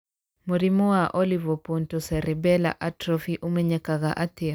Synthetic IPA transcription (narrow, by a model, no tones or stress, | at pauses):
muɾimɔwaʔɔlivɔpɔntɔsɛɾɛbɛla̰ʔatɾɔfiʔumɛɲɛkaɣa̰ʔatea